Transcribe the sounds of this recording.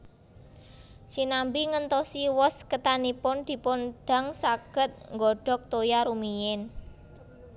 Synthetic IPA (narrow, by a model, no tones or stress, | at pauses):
sinambiŋənt̪ɔsiwɔskət̪anipʊnd̪̥i̤pʊnɖ̥a̤ŋsaɡ̥ə̤t̪̚ŋɡɔɖ̥ɔ̤k̚t̪ojaɾumijɪn